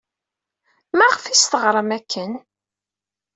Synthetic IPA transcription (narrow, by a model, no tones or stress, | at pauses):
mæʁfist̪əʁɾˤəmækʰːən